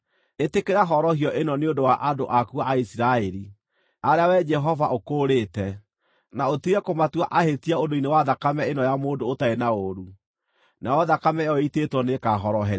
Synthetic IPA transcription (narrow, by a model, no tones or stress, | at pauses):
etekeɾaɦɔɾɔhiɔʔenɔneondowaʔadoʔakuaaisiɾaɛɾi | aɾeawɛd͡ʒɛɦɔvaʔokoːɾetɛ | naotiɾɛkomatwaʔahetiaondoinewaðakamɛenɔjamoːdoːtaenaoɾu | naɔðakamɛjɔitetwɔnekaɦɔɾɔɦɛ